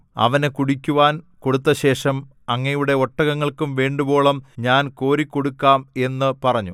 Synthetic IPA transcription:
ɐ̰ʋɐnekuɽikʲːuʋaːnko̞ɽut̪ːɐɕe̞ːʂɐm | ɐŋːɐjuɽe̞oʈːɐɣɐŋːɐɭkumʋe̞ːɳɖubo̞ːɭɐmɲaːnko̞ːɾikːo̞ɽukːaːme̞nːɨpɐrɐɲːu

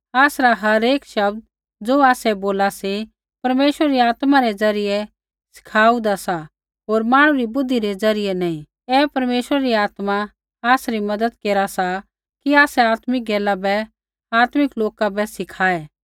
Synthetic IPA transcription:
aːsɾaɦɐɾeːkʃɐbd̪̚ | d͡zoːaːsɛboːlasi | pɐɾmeːʃɾəɾiaːt̪maɾɛd͡zɐɾɪjɛ | sɪ̥kʰaːud̪asa | ɦoːɾmãːɽ̃ũɾibʊd̪ʱːiɾed͡zɐɾɪjɛnãːĩ | ɛːpɐɾmeːʃwəɾɾiaːt̪ma | aːsɾimɐd̪əd̪keːɾasa | kiaːsɛaːt̪mɪk̚ɡɛːlabɛ | aːt̪mɪkloːkabɛsɪkʰaːɛː

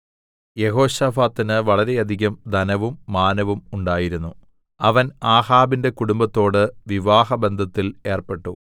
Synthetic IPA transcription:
je̞ɦo̞ːɕɐfaːt̪ːinɨʋɐɭɐɾe̞ɐd̪ʱiɣɐmd̪ʱɐnɐʋumːaːnɐʋumuɳɖaːjiɾunːu | ɐʋɐnaːhaːbinde̞kuɽumbɐt̪ːo̞ːɽɨʋiʋaːɦɐbe̞nd̪ʱɐt̪ːile̞ːrpe̞ʈːu

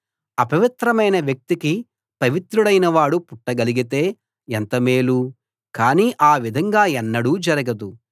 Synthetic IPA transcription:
ɐpɐʋit̪ɾɐmɐjnɐʋjɐk̚t̪iki | pɐʋit̪ɾuɽɐjnɐʋaːɽupuʈːɐɡɐliɡit̪e̞ː | ɛnt̪ɐmeːlu | kaːniːʔaːʋid̪ʱɐŋɡaːɛnːɐɽuːd͡ʒɐɾɐɡɐd̪u

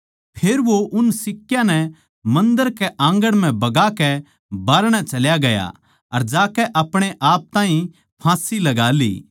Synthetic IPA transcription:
pʰeːɾʋoʔʊnsɪkːjãnɛ | mɐ̃nd̪əɾkɛʔãːŋɡəɽm̤ɛ̃bɐɡakɛ | baːɾɽ̃ɛt͡ʃɐljaɡɐja̰ | ɐɾd͡ʒaːkɛʔɐpɽ̃eʔaːp̚t̪ãːɦĩ | pʰãːsilɐɡaːlḭː

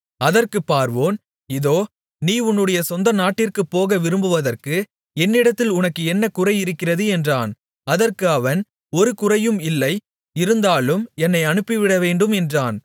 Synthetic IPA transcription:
ɐðɐrkɯpːaːɾʋoːn | ɪðoː | niːʊnːɯɽɐjɐsɔnd̪ɐnaːʈːɪrkɯpːoːɣɐʋɪɾɯmbɯʋɐðɐrkɯ | ɛnːɪɽɐt̪ːɪlʊnɐkːɯɛnːɐkʊrɐɪɪɾɯkːɪrɐðɯɛndraːn | ɐðɐrkɯɐʋɐn | ɔɾɯkʊrɐjɯmɪlːɐɪ | ɪɾɯnd̪aːlɯmɛnːɐɪɐɳɯpːiʋɪɽɐʋeːɳɖɯmɛndraːn

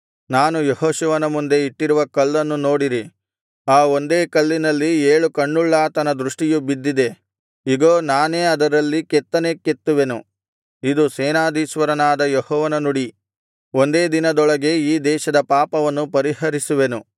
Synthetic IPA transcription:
naːnujehoːʃeːʋɐnɐmund̪e̞iʈːiɾuʋɐkɐlːɐnːuno̞ːɽiɾi | aːo̞nd̪e̞ːkɐlːinɐlːieːɭukɐɳːuɭːaːt̪ɐnɐd̪ɾuʂʈijubid̪ːid̪e̞ | iɡoːnaːneːɐd̪ɐɾɐlːikɛt̪ːɐne̞ːket̪ːuʋe̞nu | id̪usɛːnaːd̪iʃʋɐɾɐnaːd̪ɐjehɔːʋɐnɐnuɽi | ond̪e̞ːd̪inɐd̪ɔɭɐɡe̞iːd̪ɛːʃɐd̪ɐpaːpɐʋɐnːupɐɾihɐɾisuʋe̞nu

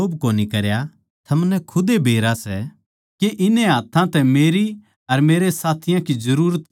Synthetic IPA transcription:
oːbkoːnikɐɾja | t̪ʰɐmnɛkʰʊd̪ebʱeːɾasɛ | keʔɪneɦaːt̪ʰːãt̪ɛmeːɾi | ɐɾmeːɾesaːt̪ʰɪjãkid͡ʒɐɾuːɾət̪

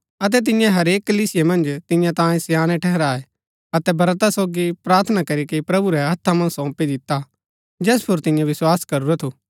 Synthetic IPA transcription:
ɐt̪̬ɛt̪̬ɪ̃jãɦɐɾeːkːɐliːsɪjemɐ̃nd͡ʒt̪ɪ̃jãt̪ãːẽsjaːñɛʈʰɛɦɛɾaːɛ | ɐt̪ɛbɐɾt̪asoːɡipɾaːɾt̪ʰənakɐɾikeipɾɐbuɾɛɦɐt̪ʰːamɐ̃nsɔ̃ːpid̪ɪt̪ːa | d͡ʒɛːspʰʊɾt̪ɪ̃jãʋɪswaːskɐɾuɾɛt̪ʰuː

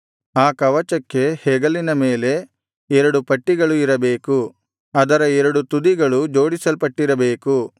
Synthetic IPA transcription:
aːkɐʋɐt͡ʃɐkːe̞hɛːɡɐlinɐme̞ːle̞ | ɛɾɐɽupɐʈːiɡɐɭuiɾɐbeːku | ɐd̪ɐɾɐɛɾɐɽut̪ud̪iɡɐɭud͡ʒo̞ːɽisɐlpɐʈːiɾɐbeːku

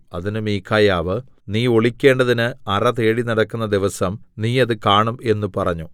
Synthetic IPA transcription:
ɐðinɨmiːkʰːaːjaːʋɨ | niːo̞ɭikʲːe̞ːɳɖɐðinɨɐrɐt̪eːɻinɐɽɐkːunːɐd̪iʋɐsɐmniːɐðɨkaːɳume̞nːupɐrɐɲːu

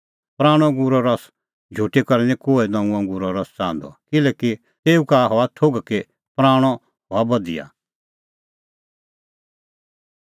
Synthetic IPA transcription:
pɾaːɽ̃ɔ̃ɡuɾɔɾɐs | d͡ʒʱuːʈikɐɾnɛ̃koːɛnãũãŋɡuːɾɔɾɔst͡sãːnd̪ɔ̰kɪlɛːki | t̪eːũkaɦɔat̪ʰoɡke | pɾaːɽ̃ɔ | ɦɔabɐd̪ɪ̰ja̰

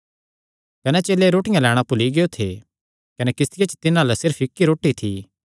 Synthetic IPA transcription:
kɐnɛt͡ʃeːlːeɾoːʈɪjãlɛːɽ̃apʊliɡeot̪ʰḛ | kɐnɛkɪst̪ʰɪjet͡ʃt̪ɪnãlɛsɪɾpɪkːiɾoːʈit̪ʰḭ

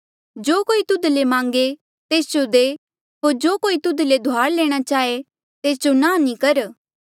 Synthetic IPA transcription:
d͡ʒoːkoːit̪ʊd̪lemãːŋɡe | t̪eːsd͡ʒod̪eː | ɦoːɾd͡ʒoːkoːit̪ʊd̪led̪ʱoaːɾleːɽ̃at͡ʃaːe | t̪eːsd͡ʒonãːnĩkɐɾ

